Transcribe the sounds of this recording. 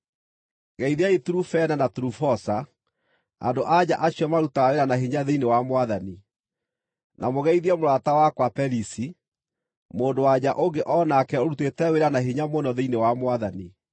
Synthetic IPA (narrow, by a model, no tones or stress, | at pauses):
ɣɛiðiaetuɾufɛnanatuɾufɔsa | a̰ndoʔaɲaʔaɕjɔmaɾutaweɾanaɦeɲaðeinewamwaðani | nʔamoɣɛiðiɛmoɾwatawakwapɛɾisi | moːndowaɲaʔoŋɡeʔɔnakɛoɾutetɛweɾanaɦeɲamonɔðeinewamwaðani